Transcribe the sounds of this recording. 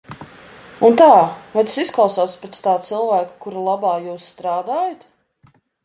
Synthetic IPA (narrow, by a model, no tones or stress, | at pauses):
unt̪aːvajt̪sisklˠawsɔːt̪spɾɛt̪st̪aːt̪silˠvaːkḁkuɾulˠabaːjuːsːt̪ɾaːd̪aːjat̪